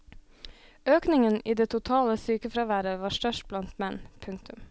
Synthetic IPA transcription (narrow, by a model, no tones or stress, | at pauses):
øːknɪŋəniːd̪eːt̪ʰʊt̪ʰɑːləsyːkəfɾɑʋæːɾəʋɑːʃtœʃʈ̚blɑnt̪mɛnpʰʉŋkt̪ʉm